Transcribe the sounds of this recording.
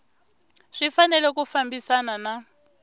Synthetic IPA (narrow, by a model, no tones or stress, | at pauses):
ʂifanɛlɛkufambisanana